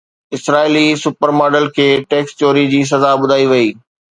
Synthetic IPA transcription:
ɪsɾaːɪlisʊpəɾmaːɖəlkʰeːʈeːkst͡ɕoːɾid͡ʑiːs̬ɐzabʊd̪ʱaːiʋɐiː

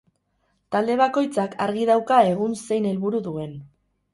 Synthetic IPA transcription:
t̪ald̪e̞β̞ako̞jt͡sakʰa̰ɾɣiðawkae̞ɣ̞unse̞jne̞lβuɾuðue̞n

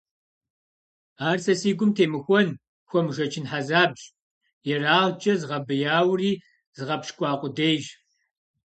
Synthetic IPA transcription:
aːrsɐsiːɡʷʊmtʰeːmɨxʷɔn | xʷɔmʒɐt͡ʃʰɪnħazaːbɕʼ | jɛraːʁd͡ʒʼɐzɨʁɐbɨjaːwriː | zɨʁɐpʃkʷʼɑːqʷʼʊdejʒ

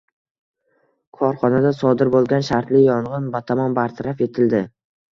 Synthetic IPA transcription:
kʰɒɾχɒnad̪asɒd̪ɪɾbolˠɡʲanʃaɾt̪lɪjɒɴʁɨnbat̪ʰamɒnbaɾt̪ʰaɾafe̞t̪ʰɪld̪ɪ

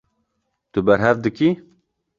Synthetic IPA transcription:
t̪ʊbɛɾɦɛvd̪ɨki

